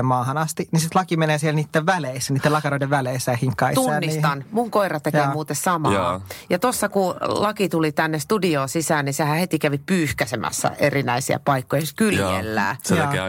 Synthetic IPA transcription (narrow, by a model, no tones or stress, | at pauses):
mmɑːhɑnɑst̪inisit̪lɑkimeneːsielniːt̪ːeʋʋæleisːniːt̪ːelɑkɑɾoideʋʋæleisːæːhiŋkːɑit̪ːuɑnːist̪ɑnmuŋkoirɑt̪eeːmuːt̪essɑmɑːjɑt̪osːɑkulɑkit̪ulit̪ænːest̪udioːsisæːnnisehæhet̪ikæʋipyːhkæsemʔæ̰sːɑ̰ʔerinæisiæ̰pɑikːojɑskyljḛlːæ̰ː